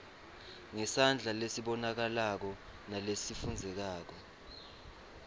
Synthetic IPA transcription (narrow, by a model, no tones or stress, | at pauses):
ŋɛsand͡ɮʱalesiɓɔnak̬alak̬ɔ | nalesifund͡zʱɛk̬aːk̬ɔ